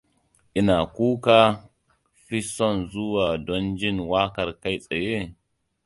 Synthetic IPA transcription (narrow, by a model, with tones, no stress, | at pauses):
ʔɪ˦na˨kuː˦ka˦ | ɸi˦sɔ˦˨nzʊ˦waː˨dɔ˦nd͡ʒɪ˦nwaː˦kɐ˨ɾka˦jsʼe˨je˦